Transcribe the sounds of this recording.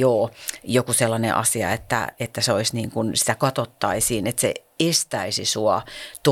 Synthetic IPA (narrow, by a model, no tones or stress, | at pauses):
oːjokuselːɑnḛʔɑ̰siɑ̰et̪ːæ̰et̪ːæseoisniːŋkunsi̥t̪ækɑt̪ot̪ːɑisiːnet̪sḛest̪æisisuɑt̪